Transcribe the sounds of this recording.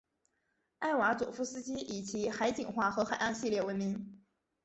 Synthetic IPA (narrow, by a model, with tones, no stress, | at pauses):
a˥˩ɪwa˧˥t͡sṵ˨˩fu˥sɹ̩˥t͡ɕi˥i˨˩t͡ɕi˧˥xa˧˥ɪt͡ɕi˨˩ŋxwa˥˩xɤ˧˥xa˨˩ɪɑ˥˧ŋɕi˥˧ljɛ˥˩wə˧˥nmi˧˥ŋ